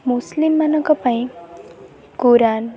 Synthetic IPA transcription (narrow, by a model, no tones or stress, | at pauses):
muslimːanʌkɔpãĩ | kuɾan